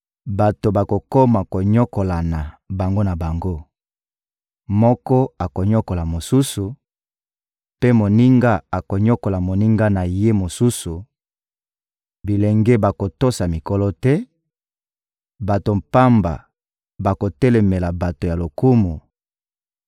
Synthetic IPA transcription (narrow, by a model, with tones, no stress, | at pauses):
ba˨to˨ba˨ko˨ko˦ma˨ko˨ɲɔ˦ko˨la˨na˨ba˨ŋɡo˦na˨ba˨ŋɡo˦ | mɔ˦kɔ˦a˨ko˨ɲɔ˦ko˨la˨mo˨su˦su˨ | pe˦mo˨ni˦ŋɡa˦a˨ko˨ɲɔ˦ko˨la˨mo˨ni˦ŋɡa˦na˨je˦mo˨su˦su˨ | bi˨lɛ˨ŋɡɛ˦ba˨ko˨to˦sa˨mi˨ko˨lɔ˦tɛ˦ | ba˨to˨m̩˨pa˦mba̰˨ | ba˨ko˨tɛ˦lɛ˨me˨la˨ba˨to˨ja˨lo˨ku˦mu˨